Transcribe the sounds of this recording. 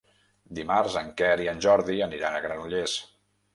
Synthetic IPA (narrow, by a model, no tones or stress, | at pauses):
d̪imaɾzəŋkɛɾiənʲʒɔɾðiəniɾanəɣɾanuʎes